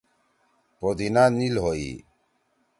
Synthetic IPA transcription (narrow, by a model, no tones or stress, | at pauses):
pod̪inanilɦoḭ